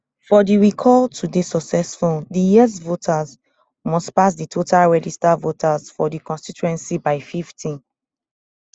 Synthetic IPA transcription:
fɔdiɹikʰɔltʰudesɔksɛsfuldijizvotʰaz | mɔspas̬ditʰotʰalɹɛd͡ʒistavotʰazfɔdikɔ̃nstit͡ʃuɛ̃nsibaɪfiftʰĩn

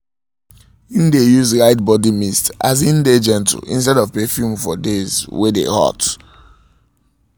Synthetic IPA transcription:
ĩndejuzɹaɪt̚bɔdimista̰zĩnded͡ʒɛ̃nt̩ḭ̃nstɛdɔvpefjumfɔ̰dezwedḛhɔ̰t

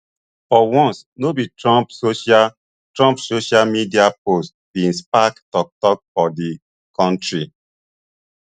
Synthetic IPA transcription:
fɔwɔ̃nsnobitɹɔ̃psoʃa | tɹɔ̃mpsoʃalmidiapost̚b̥ĩnspaktɔk̚tɔk̚fɔdi | kɔ̃ntɾi

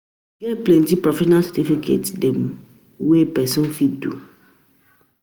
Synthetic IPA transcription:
ɡɛplentipɾɔfɛʃɔnalsatifikʰḛtdɛm | wepɛsũnfidṵ

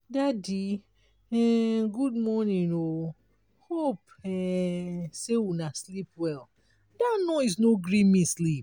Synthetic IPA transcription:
dadi | ɛɡud̚mɔnĩno | hop | ɛ | sewunaslipwɛl | danɔɪsnoɡɹĩmĩslip̚

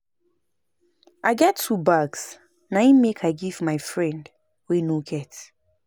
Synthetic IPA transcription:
ʔaɪɡɛtʰːubaɡs | naĩmekʰaɪɡivmaɪfɹɛ̃nd | wenoɡɛt

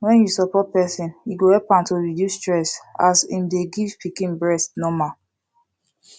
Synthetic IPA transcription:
wɛ̃njusɔpɔt̚pɛsĩniɡohɛpãntoɹidjustɹɛsasḭ̃mdeɡivpikĩnbɹɛstnɔ̃ma

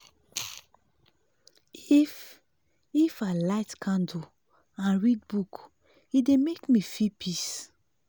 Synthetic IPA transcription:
if | ifalaɪtkʰãndu | ãnɹid̚buk | idemekmifipʰis

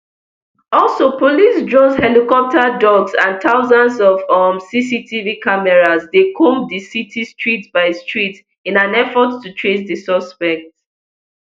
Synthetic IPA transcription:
ɔlˠsopolisdɹɔ̃dhɛlikɔp̚tadɔɡsãntʰaʊzãnsɔvɔmsisitʰivikamɛɹazdekʰõmdisitʰistɹitbaɪstɹit | ĩnãnɛfɔttutʰɹes̬disɔspɛk̚t

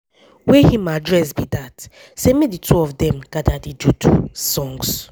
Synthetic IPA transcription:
wehĩmadɹɛsbidat | semĩditʰuɔvdɛ̃mɡ̥adadidutʰusɔ̃ŋɡs

